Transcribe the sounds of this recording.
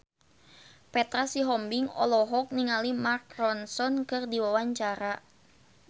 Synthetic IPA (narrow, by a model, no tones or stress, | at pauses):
pɛt̪ɾasiɦɔmbiŋɔ̰lɔɦɔk̚niŋalimarkrɔnsɔnkɨrdiwawaɲt͡ʃaɾa